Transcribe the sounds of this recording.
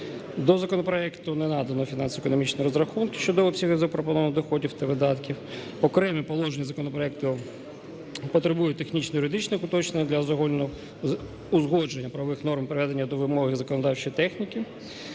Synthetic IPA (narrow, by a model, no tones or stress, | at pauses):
d̪ɔzɐkɔnɔpɾɔɛkt̪ʊnɛnɑd̪ɐnɔfʲinɑnsɔekɔnɔmʲit͡ʃnɔjɾɔzɾɐxunkʲɪ̥ʃt͡ʃɔd̪ɔɔpʲsʲɐɦɪzɐpɾɔpɔnɔʋnd̪ɔxɔdʲiwt̪ɐʋɪd̪ɑt̪kʲiw | ɔkɾɛmʲipɔlˠɔʒenʲɐzɐkɔnɔpɾɔɛk̚t̪ʊ | pɔt̪ɾebujʊt̚ʲt̪ːexnʲit͡ʃnɔjʊɾɪd̪it͡ʃnɪxʊt̪ɔt͡ʃnenʲɐd̪lʲɐzɔɦɔlʲn | ʊzɦɔd͡ʒenʲːɐpɾɐʋɔʋɪxn̪ɔrmpɾɪʋɛd̪enʲːɐd̪ɔʋɪmɔɦɪzɐkɔnɔd̪ɑwt͡ʃɔjit̪ɛxnʲikʲɪ